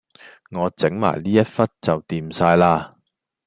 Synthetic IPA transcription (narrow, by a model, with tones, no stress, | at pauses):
ŋɔː˨˧t͡sɪ˨˥ŋma̰ː˨˩jliː˥jɐ˥t̚fɐ˥t̚t͡sɐ˨wt̪iː˨msaː˧jlaː˧